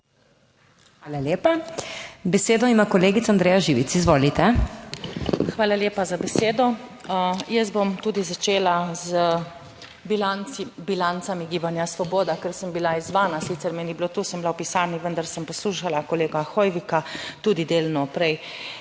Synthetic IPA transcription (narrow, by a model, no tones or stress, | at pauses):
xʋaːlaljeːpa | bɛseːd̪ɔimakɔleːɡit̪sand̪ɾeːjaʒiːʋit̪sizʋoːlit̪ɛ | xʋaːlaljeːpazabɛseːd̪ɔ | jəs̬bomt̪uːd̪izat͡ʃeːlazə | blanbilant̪samiɡiːbanjasʋɔboːd̪akəɾsəmbilaizʋaːnasit̪sɛɾmɛniblot̪uːsəmblawpisaɾniʋənd̪aɾsəmpɔsluːʃalakɔleːɡaxɔjʋikat̪uːd̪id̪eːlnɔpɾɛj